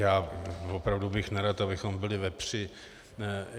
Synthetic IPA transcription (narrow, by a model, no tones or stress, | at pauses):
jaːvopɾavdubɪxnɛɾat̪abɪxo̞mbɪlɪvɛpr̝̥ɪ